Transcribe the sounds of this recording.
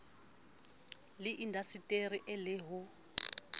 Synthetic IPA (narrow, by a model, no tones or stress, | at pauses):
lɪʔindʱasitʼeriʔɛlɪɦʊ